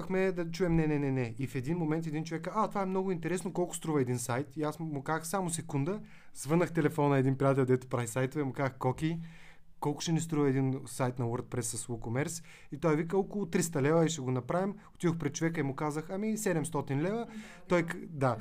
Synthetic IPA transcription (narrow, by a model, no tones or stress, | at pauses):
xmɛd̪ɐt͡ʃuɛmnɛnɛnɛnɛifɛd̪inmomɛnt̪ɛd̪int͡ʃovɛkat̪ovaɛmnɔɡʊint̪ɛɾɛsnokɔlˠkʊ̥st̪ɾuvɐɛd̪insajt̪iasmʊkazəxsamosɛkund̪ə | zvɤnəxt̪ɛlɛfɔnəɛd̪inpɾiat̪̬ɛlʲd̪ɛt̪ʊ̥pɾavisajt̪ʊvɛmʊkazəxkɔkʲi | kɔlˠkʊ̥ʃɛnist̪ɾuvɐɛd̪insajt̪nɐwoɾd̪̚pɾɛsːɐsukomɛɾs | it̪ɔjɛvikəɔkʊlˠʊt̪ɾis̬t̪ɐlɛvəiʃt̪ɛɡonɐpɾavimot̪id̪oxpɾɛt̪̚t͡ʃːovɛkəimʊkazəxɐmisɛd̪ɛmst̪ɔt̪inlɛvə | t̪ɔjkd̪a